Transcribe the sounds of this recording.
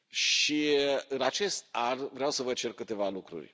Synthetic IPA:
ʃiɨnat͡ʃe̞st̪̚anvɾeawsəvənt͡ʃe̞rkɨt̪e̞valukɾṵrʲ

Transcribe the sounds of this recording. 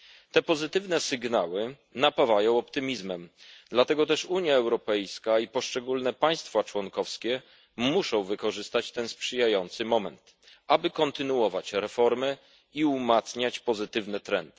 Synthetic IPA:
t̪ɛpɔzɘt̪ɘvnɛsɘɡnawɘ | napavajɔ̃w̃ɔpt̪ɘmʲizmɛmd̪lat̪ɛɡɔt̪ɛʂuɲjaɛwɾɔpɛjskaipɔʂt͡ʂɛɡulnɛpaj̃st̪fat͡ʂwɔnkɔfskʲɛ | muʂɔ̃w̃vɘkɔʐɘst̪at͡ɕt̪ɛnspʂɘjajɔnt̪sɘmɔmɛnt̪ | abɘkɔnt̪ɘnuɔvat͡ɕɾɛfɔɾmɘ | iumat̪sɲat͡ɕpɔzɘt̪ɘvnɛt̪ɾɛnt̪

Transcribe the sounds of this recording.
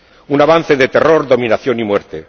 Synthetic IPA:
unaβ̞anθeðet̪eroɾðomĩnaθjonimweɾt̪e

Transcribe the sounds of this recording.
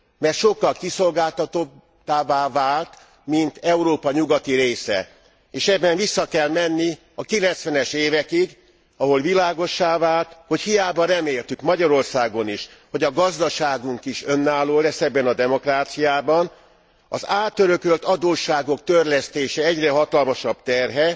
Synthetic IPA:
mɛrt̪ʃo̞kːɒlkiso̞lɡaːlt̪ɒt̪o | t̪aːvaːvaːlt̪ | mint̪ɛuɾoːpɒɲuɡɒt̪iɾeːsɛ̰ | eːʃɛbːɛɱvisːɒkɛlmɛnːi | ɒkilɛnt̪sʋɛnɛʃeːvɛkiɡ | ɒɦo̞lvilaːɡo̞ʃːaːvaːlt̪ho̞chijaːbɒrɛmeːlt̪ykmɒɟɒɾo̞rsaːɡo̞niʃho̞ɟɒɡɒzd̪ɒʃaːɡuŋkiʃø̞nːaːloːlɛsːɛbːɛnɒd̪ɛmo̞kraːt̪sijaːbɒn | ɒzaːt̪ːøɾø̞kølt̪ɒd̪oːʃːaːɡo̞kt̪ørlɛst̪eːʃɛɛɟrɛɦɒt̪ɒlmɒʃɒbt̪ɛrɦɛ

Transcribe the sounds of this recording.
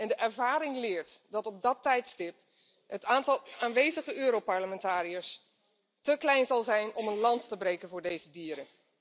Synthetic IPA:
ɛndəʔɛɹvaːɾɪŋlɪːɹtdɑtɔb̚dɑtɛjtstɪp | ɦətaːntɑlˠaːnʋejzəχəʔøːɾowpɑɹləmɛntaːɾijəɹs | təklɛjnzɑlˠzɛjnɔmənlɑnttəbrejkənvʊːɹdejzədiːɾən

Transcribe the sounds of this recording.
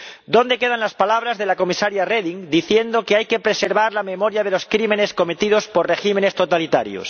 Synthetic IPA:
d̪o̞nd̪eke̞ð̞anlaspalaβ̞ɾazðe̞lako̞misaɾjareðiŋd̪iθje̞nd̪okeajke̞pɾe̞se̞ɾβaɾlame̞mo̞ɾjaðe̞lo̞skɾime̞ne̞sko̞me̞t̪ið̞o̞spo̞rre̞ximẽ̞ne̞st̪o̞t̪alit̪a̰ɾjo̰s

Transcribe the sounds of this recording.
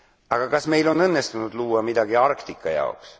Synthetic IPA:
ɑɡ̥ɑkɑsme̞jlo̞nɤnːest̪unud̪̥luːwɑmid̪̥ɑɡ̥iɑrkt̪ikːˑɑjɑ̰oks

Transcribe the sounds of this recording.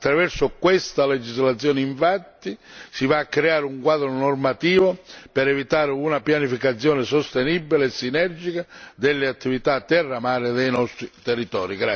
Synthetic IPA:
at̪ːɾavɛrsʊkwest̪aled͡ʒizlat̪sːjɔːnɪiɱfat̪ːisivaːkːɾeaːɾɪuŋkwaːd̪ɾʊnormat̪iːvopɛɾɛvit̪aːɾɪunapjanifikat̪sːjɔːnɪsost̪ɛnibileːsːinɛrd͡ʒikad̪ɛlːɪat̪ːivit̪at̪ːɛrːamaːɾɪd̪ɛjnɔst̪ɾit̪ɛrːit̪ɔːɾiɡɾa

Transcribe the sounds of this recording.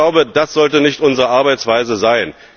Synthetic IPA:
aʊbəd̥asz̥ɔltənɪçtʔʊnzəʁəʔaɐbaɪt͡sv̥aɪzəzaɪn

